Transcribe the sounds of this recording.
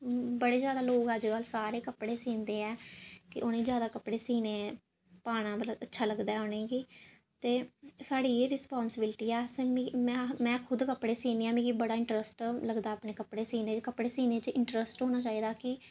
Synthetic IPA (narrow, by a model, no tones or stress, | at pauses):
bəɽeːd͡ʒjaːd̪aːloːɡəd͡ʒkəlsaːɾeːkəpɽeːsĩːnd̪eːɛːkɪʔonẽːzjaːd̪aːkəpɽeːsiːneː | paːɽ̃ãːbələətːʃʰaːləɡd̪aːɛːoneːɡiː | t̪eːsaːɽiːeːɾɪspaːnsɪbɪlʈiːɛːseːmːmɛ̃ːmɛ̃ːkʰʊd̪kəpɽeːsĩːneːaːmĩːɡibəɽaːɪɳʈɾəsʈləɡd̪aːəpɽeːkəpɽeːsiːnẽːkəpɽeːsiːneːt͡ʃɪɳʈɾəsʈɦoːnaːt͡ʃaːiːd̪aːkɪ